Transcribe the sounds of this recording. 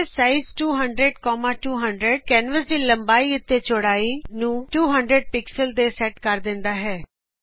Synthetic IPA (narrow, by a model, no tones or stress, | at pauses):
saːɪzʈuːɦəɳɖɾeɖkɔːmaːʈuːɦəɳɖɾəɖ̚kɛːnʋəsd̪iːləmbaːiːɪt̪ʰːeːt͡ʃoɽaːiːnũːʈuːɦəɳɖɾəɖ̚pɪksəld̪eːsɛːʈkəɾd̪ɪ̃nd̪aːɦɛː